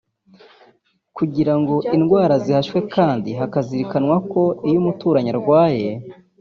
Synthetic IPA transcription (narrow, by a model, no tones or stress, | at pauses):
kuɟiɾaŋɡo̞ʔinɡwaːɾazihaʃwe̞kʰaːndiɦakaziɾikanwako̞ijumutuːɾaɲaɾɡwaːje̞